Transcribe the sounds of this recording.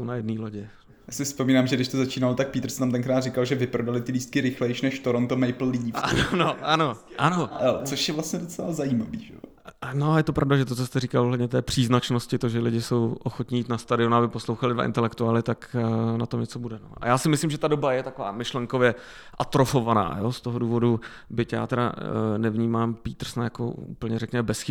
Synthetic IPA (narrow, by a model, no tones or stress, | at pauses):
ownajɛdniːloɟɛ | jaːsɪfspomiːnaːmʒɛɡdɪʃt̪ozat͡ʃiːnalot̪ak̚piːt̪rsɛ̥namt̪ɛŋkɾaːt̪rɪkalʒɛvɪpɾodalɪt̪ɪliːst̪̚kɪɾɪxlɛjʃnɛʃt̪oɾont̪omɛjpl̩liːfʔa̰nonoʔano̞ʔanoot͡soʃjɛvlast̪ɲɛdot͡sɛlazajiːmavḭːʒɛ̰o | noajɛt̪o̞pɾʔavdaʒɛt̪ot͡sost̪ɛɾiːkalʔoɦlɛdɲɛt̪ɛːpr̥iːznat͡ʃnoscɪt̪oʒɛlɪɟɪsowʔoxot̪ɲɪjiːt̪nast̪adɪonabɪpo̞slowxalɪdva̰ʔɪ̰nt̪ɛlɛkt̪uaːlɪt̪aknat̪omɲɛt͡so̞budɛno̞̰ʔa̰jaːsɪmɪslɪmʒɛt̪ado̞bajɛt̪ako̞va̰ːmɪʃlɛŋko̞vjɛ | ʔat̪ɾo̞fovana̰ːjo̞st̪oɦoduːvo̞du | bɪcja̰ːt̪ɛɾa̰nɛvɲiːmaːmpiːt̪r̩snajako̰ṵːpl̩ɲɛrɛkɲɛmɛbɛsxɪ